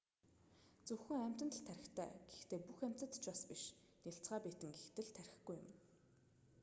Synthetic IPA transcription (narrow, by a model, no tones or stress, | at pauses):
t͡sɵxɘ̆ŋæm̥ʲt̪ə̆t̪ə̆ɮt̪ʰːæɾʲɪ̆xt̪ʰæ̰ːɡ̥ext̪eːpuxæm̥ʲt̪ə̆t̪t͡ɕpaspiʃ | nʲeɬt͡sɢaːpiːt̪ɘ̆ŋɡext̪ɘ̆ɮt̪ʰæɾʲɪ̆xɡujʊ̰m